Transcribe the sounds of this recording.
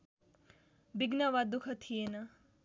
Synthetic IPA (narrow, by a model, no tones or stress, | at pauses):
biɡnɐʋad̪ukʰɐt̪ʰienɐ